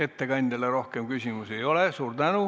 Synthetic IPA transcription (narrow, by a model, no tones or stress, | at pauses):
e̞t̪ːe̞kɑnʲd̪̥elːeɾo̞hke̞mkysʲimuse̞jo̞lesuːrt̪ænu